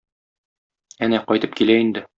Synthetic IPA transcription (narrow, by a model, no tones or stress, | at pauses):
ænæqɒjt̪ɤp̚kilæind̪ɘ